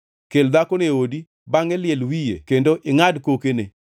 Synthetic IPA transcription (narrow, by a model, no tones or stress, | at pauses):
keld̪akoneodi | baŋɛljɛlwijḛkendoʔɪŋadkokene